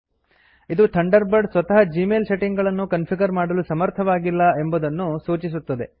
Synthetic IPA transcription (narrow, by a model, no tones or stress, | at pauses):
id̪ut̪ʰɐɳɖɐɾbɐɖsʋɐt̪ɐɦɐd͡ʒiːmeːlse̞ʈiŋɡɐɭɐnːukɐnpʰiɡɐɾmaːɽɐlusɐmɐɾt̪ʰɐʋaːɡilːɐe̞mbud̪ɐnːusuːt͡ʃis̬ut̪ːɐd̪e̞